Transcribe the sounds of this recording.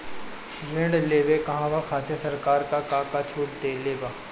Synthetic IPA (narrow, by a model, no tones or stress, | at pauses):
ɾẽɳɖleːʋekɐɦãʋakʰaːt̪esɐɾkaːɾkakãːkat͡ʃʰuːʈ̚t̪eːleːbaː